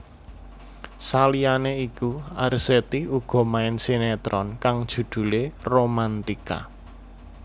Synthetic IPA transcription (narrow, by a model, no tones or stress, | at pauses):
salianeikuarset̪iuɡ̥ɔ̤maɪnsinɛt̪ɾɔnkaŋd̥ʒ̥ṳd̪̥ṳleromant̪ika̰